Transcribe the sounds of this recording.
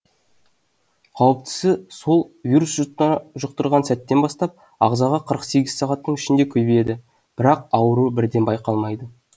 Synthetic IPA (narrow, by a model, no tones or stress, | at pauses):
qʰɑwəp̚t̪ʰɪ̥sɪso̞lˠvʲiɾusʒʒʊqt̪əɾʁɑnsæt̪ːe̞nbɑst̪ɑp̚ | ɑ̰ʁzɑʁɑqʰəɾəqse̞ɡʲɪzsɑʁɑt̪ːəɴɪʃɪnd̪e̞kʲʰɵjbeje̞d̪ɪ | b̥ɪɾɑq̚ɑwəɾubɪɾd̪e̞nbɑjqɑlˠmɑjd̪ə